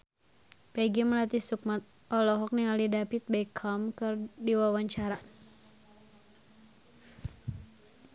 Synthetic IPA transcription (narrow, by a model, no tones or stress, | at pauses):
pɛɡiməlat̪isuk̚mat̪̚ | ʔɔlɔɦɔk̚niŋalidapit̪̚bɛkʰamkɨrdiwawaɲt͡ʃaɾa